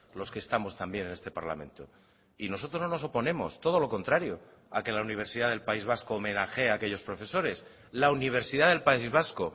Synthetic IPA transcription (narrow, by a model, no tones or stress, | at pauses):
lo̞ske̞ːst̪amo̞st̪ambje̞nene̞st̪e̞paɾla̰mẽ̞̰nt̪o̞ | ino̞s̬ot̪ɾononos̬o̞po̞nẽ̞mo̞̰st̪o̞ð̞o̞lo̞ko̞nt̪ɾaɾjo | ake̞launiβ̞e̞ɾsiðaðe̞lpaizβ̞askoːmẽ̞naxe̞ake̞ʎo̞spɾo̞fe̞so̞ɾe̞s | launiβ̞e̞ɾsiðaðelpaizβasko